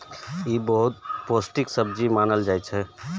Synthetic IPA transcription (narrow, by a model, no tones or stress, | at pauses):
jibəɦut̪̚posʈiksəb̚d͡ʒimaːnəld͡ʒaːjt͡ʃʰɛ